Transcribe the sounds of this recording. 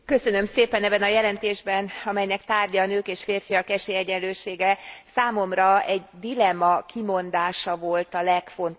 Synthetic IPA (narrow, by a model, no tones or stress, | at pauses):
kø̞sønø̞mseːpɛnɛbːɛnɒjɛlɛnt̪eːʒbɛnɒmɛjnɛkt̪aːrɟɒːnøːkeːʃfeːrfijɒkɛʃeːɛɟɛnløːʃeːɡɛsaːmo̞mrɒɛɟd̪ilɛmɒkimo̞nd̪aːʃɒvo̞lt̪ɒlɛkfo̞nt̪